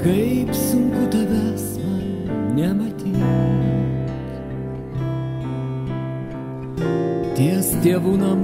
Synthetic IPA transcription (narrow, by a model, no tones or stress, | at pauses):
kɐɪpsʊŋkʊd̪ɐʋʲɛsmɐnnʲɛmɐt̪ʲiːdɐ | t̪ʲiɛst̪ʲeːʋuːnɐm